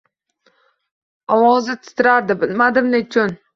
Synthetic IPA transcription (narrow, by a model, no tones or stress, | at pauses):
ɒwɒzɪt̪ʰɪ̥t̪ʰɪɾaɾd̪ɪbɪlmad̪ɪmnɪt͡ʃʰʊn